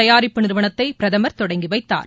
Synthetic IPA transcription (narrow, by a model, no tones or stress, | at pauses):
ɐjaːɾɪpːɯnɪɾɯʋɐɳɐt̪ːɐɪpɪɾɐðɐmɐɾt̪ɔɽɐŋɡiʋɐɪt̪ːa̰ːɾ